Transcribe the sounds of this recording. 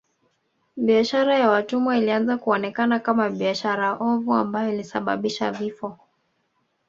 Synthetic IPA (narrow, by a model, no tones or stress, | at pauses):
ɓiaʃaɾajawatumailianzakuɔnɛkanakamaɓiaʃaɾaʔɔvua̰mbajɔilisaɓa̰ɓiʃa̰vifɔ